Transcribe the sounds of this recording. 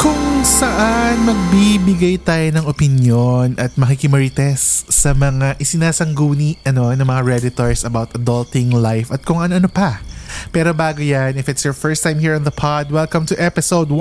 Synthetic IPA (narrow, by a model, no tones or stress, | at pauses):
kʊŋsɐʔanmɐɡ̚bibɪɡajt̪aːjonɐŋʔopɪnjonʔɐt̪̚mɐkikɪmɐɹit̪ɛsːɐmɐŋaʔɪsɪnaːsɐŋɡuːniʔʔɐno̞nɐŋmɐŋaɹɛd̪ɪt̪oɹsɐbawt̪ɐd̪ɐlt̪ɪŋlajfɐt̪̚kʊŋʔɐnoʔɐnopɐpɛːɾo̞baːɡojanɪfɪt̪sjɔɹfɛɹst̪ãjmhiɹɔ̃nðɐpʰɑd̪wɛlkɐ̃mt̪ʊʔɛpɪsowd̪̚